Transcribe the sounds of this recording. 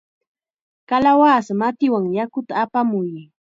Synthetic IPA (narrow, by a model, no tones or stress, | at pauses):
kalawaːsmat̪ɪwaŋjakʊt̪aːpamʊj